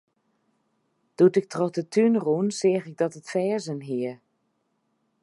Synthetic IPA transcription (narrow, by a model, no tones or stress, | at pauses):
d̥utɪk̚trɔətʰynrunsɪəxɪɡ̚dɔtətfɛːzənɦiə